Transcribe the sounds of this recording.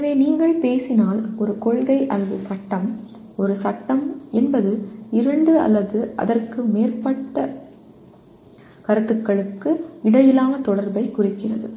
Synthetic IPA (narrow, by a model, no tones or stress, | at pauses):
ɐʋeːniːŋɡɐɭpeːsɪnaːlɔɾɯkɔɻɣɐɪʔɐlːɐðɯsɐʈːɐm | ɔɾɯsɐʈːɐmɛnbɐðɯɪɾɐɳɖɯɐ̰lːɐðɯʔɐ̰ðɐrkɯmeːrpɐʈːɐ | kɐɾɐt̪ːɯkːɐɭɯkːɯɪɽɐjɪlaːnɐt̪ɔɽɐɾbɐɪkʊrɪkːɪrɐðɯ